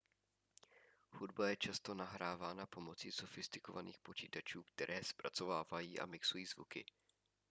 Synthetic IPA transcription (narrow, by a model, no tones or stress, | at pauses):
xudbajɛt͡ʃast̪o̞naɦɾaːvaːnapo̞mo̞t͡siso̞fɪst̪ɪ̥ko̞vanḭːxpo̞t͡ʃiːt̪at͡ʃuːkt̪ɛɾʔɛːspɾa̰t͡so̞vaːvajiːʔa̰mɪksujiːzvukɪ̰